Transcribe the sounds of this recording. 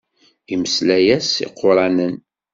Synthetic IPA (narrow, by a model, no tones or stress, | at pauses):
iməslæjæsḭqːʊɾˤɑnən